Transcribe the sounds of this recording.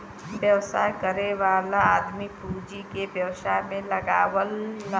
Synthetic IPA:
bjɐʋsaːkəɾeʋaːlaaːd̪mipʰuːd͡ʒikebjɐwsaɦmẽlɐɡa̰ːwəlː

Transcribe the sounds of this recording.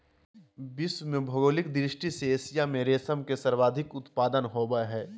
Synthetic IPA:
bɪsmẽbʱɐɡoːlɪkd̪ɾɪʃʈiseːsijamẽɾeːsəmkesɐɾʋaːd̪ʱɪkʊt̪paːd̪ənɦoːbəɦɛː

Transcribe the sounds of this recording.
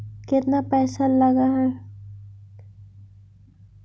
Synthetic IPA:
kɪt̪napɛːsalɐɡaɦɛ

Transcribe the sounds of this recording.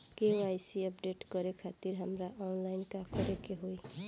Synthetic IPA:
keoajsiʌpɖeʈɡʌɾekʰat̪iɾɦamɾaʔɔnlajnkakʌɾekeɦoj

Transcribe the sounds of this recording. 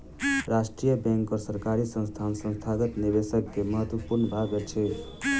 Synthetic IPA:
ɾasʈɾijəbẽŋkːəɾsəɾkaɾisə̃nst̪ʰansə̃nst̪ʰaɡət̪niβesəkːeməɦət̪wəpuɾnəbʱaɡet͡ʃʰi

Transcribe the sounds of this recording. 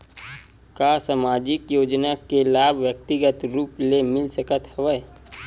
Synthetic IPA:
kaːsaːmaːd͡ʒɪkjoːd͡ʒnakelaːbʱʋjək̚t̪ɪɡət̪ɾuːplemɪlsəkət̪hɐʋə

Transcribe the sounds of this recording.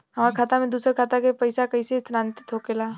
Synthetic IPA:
ɦəmaɾkʰaːt̪amẽd̪uːsəɾkʰaːt̪akepəɪsakəɪsest̪ɾaːnt̪t̪ʰokela

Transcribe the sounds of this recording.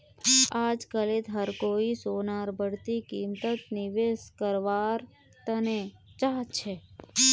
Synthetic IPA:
ad͡ʒkəlet̪ɦəɾkoisonaɾbʱəɽt̪ikimt̪ət̪nɪʋeskəɾʋaɾ | t̪ənet͡ʃat͡ʃʰe

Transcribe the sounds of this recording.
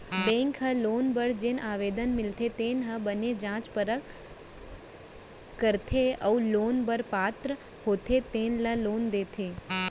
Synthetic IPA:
bɛ̃ŋkɦəlonbəɾd͡ʒenʔaʋed̪ənmɪlt̪ʰet̪enɦə̃bəned͡ʒãːt͡ʃpəɾək | kːəɾt̪ʰeəulonbəɾpaːt̪ɾə | hot̪ʰet̪enlaloːnd̪et̪ʰe

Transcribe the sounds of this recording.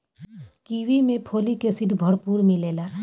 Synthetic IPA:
kiʋimẽpʰoːlikesɪd̪ʱbʱəɽpuːɾmileːlaː

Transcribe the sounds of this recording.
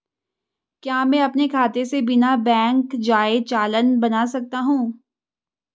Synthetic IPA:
kjaːmɛ̃ɐpnekʰaːt̪esebɪnabɛ̃ːŋkd͡ʒaːet͡ʃaːlənbɐnaːsɐk̚t̪aɦũː

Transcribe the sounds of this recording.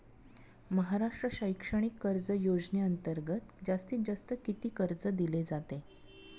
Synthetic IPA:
məɦaɾaʂʈɾəɕəjkʂəɽ̃ikːəɾd͡zəjod͡zneənt̪əɾɡət̪d͡zast̪iːt̪̚d͡zast̪əkit̪iːkəɾd͡zəd̪iled͡zat̪e

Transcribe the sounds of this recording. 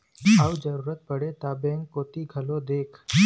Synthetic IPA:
awd͡ʒəɾuːɾət̪̚pəɽet̪abẽŋɡkːot̪iɡʱəlod̪eːkʰ

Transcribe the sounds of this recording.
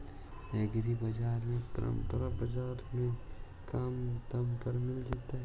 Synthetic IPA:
eɡɾibɐd͡ʒaːɾmẽpɐ̰ɾə̰̃mpəɾabɐd͡ʒaːɾmẽ | kamt̪ɐmpəɾmɪld͡ʒaːt̪aɦɛ

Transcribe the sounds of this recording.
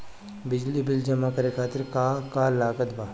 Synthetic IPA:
bɪd͡ʒlibɪld͡ʒɐmakɐɾekʰaːt̪ɪɾkaːkaːlaːkət̪baː

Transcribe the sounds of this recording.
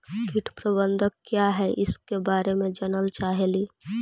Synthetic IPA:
kɪʈʰpɾəbə̃nd̪ʱəkkːjaɦɛʔɪskebaːɾemẽd͡ʒənəlt͡ʃaːɦeliː

